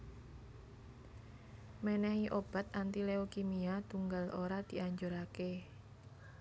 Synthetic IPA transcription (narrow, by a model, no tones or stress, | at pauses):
mɛnɛhiʔob̥a̤t̪ʔant̪ileokimiat̪uŋɡalʔoɾad̪̥i̤ʔaɲd͡ʒoɾake